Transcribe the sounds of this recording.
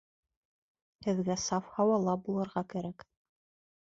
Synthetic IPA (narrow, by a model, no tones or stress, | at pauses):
hɘ̆ðɡæsɑfhɑwɑlˠɑbulˠɤ̆ɾʁɑkæɾæk